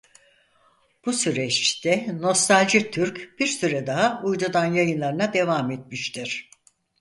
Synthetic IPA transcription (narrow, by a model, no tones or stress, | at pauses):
b̥usyɾɛt͡ʃt̪ʰɛno̞st̪alʲd͡ʒit̪ʰyɾcb̥iɾsyɾɛd̪aɦaujd̪ud̪anjajɯnlˠaɾɯnad̪e̞vamet̪̚miʃt̪ʰiɾ̥